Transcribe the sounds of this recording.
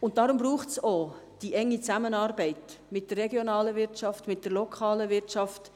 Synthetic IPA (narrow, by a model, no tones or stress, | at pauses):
ʊntdɑɾʊmbɾuːχtsoːd̥iʔɛŋːit͡sæmənɑːɾbɛɪtmɪt̚d̥ərːɛɡjonɑːləvɪɾt͡ʃɑftmɪtd̥əɾlokʰɑːləʋɪɾt͡ʃɑft